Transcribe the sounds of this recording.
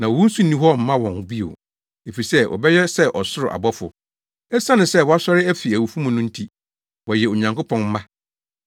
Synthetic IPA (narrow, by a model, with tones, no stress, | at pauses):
nã˨ɔ˨wũ˦n̩˦sũ˦nĩ˦ɦɔ˦˨m̩˦mã˦wɔ̃˨n˨bi˦o̰˨ | e˨fi˨sɛ˦wʔɔ̰˨bɛ˦jɛ˦sɛ˦ʔɔ˨sʊ˦ɾʊ˨ʔa̰˨bɔ˦fʊ̰˨ | ɛ˦sã˦nʊ̃˨sɛ˦˨wɔ˦a˦sɔ˦ɾɪ˦æ˦fi˨æ˨wu˨fũ˦mʊ̃˨nʊ̃˦n̩˦tʰi˦ | wɔ˨jɛ˨o˨ɲã˨ŋkʊ˦pʰɔ̃˨nm̩˦mã˦